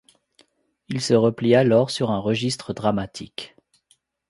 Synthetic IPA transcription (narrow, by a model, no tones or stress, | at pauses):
ilsəʁəplialɔʁsyʁɛ̃ʁəʒist̪χəd̪ʁamat̪ʰḭk